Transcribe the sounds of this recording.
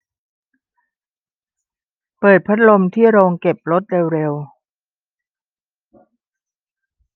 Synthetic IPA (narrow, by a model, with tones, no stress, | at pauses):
pɤː˨˩t̪̚pʰa˦˥t̪̚lo˧mt̪ʰiː˥˩ɾoː˧ŋke˨˩p̚ɾo˦˥t̪̚ɾe˧wɾe˧w